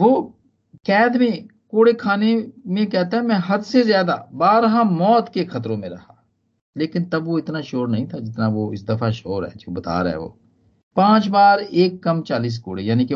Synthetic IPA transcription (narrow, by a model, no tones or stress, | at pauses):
ʋoː | kɛːd̪mẽ | koːɽekʰaːnemẽkɛɦt̪aɦɛmɛ̃ːɦɐd̪sezjaːd̪abaːɾɦãmɔːt̪kexɐt̪ɾõmẽɾɐɦaː | leːkɪnt̪ɐbʋoɪt̪naʃoːɾnɐɦĩt̪ʰad͡ʒɪt̪naʋoɪsd̪ɐfʰaʃoːɾɦɛ̰ːd͡ʒoːbɐt̪a̰ːɾ̰ɦɛ̰ʋo̰ː | pãːt͡ʃbaːɾeːkːɐmt͡ʃaːliːs̬koːɽejaːnike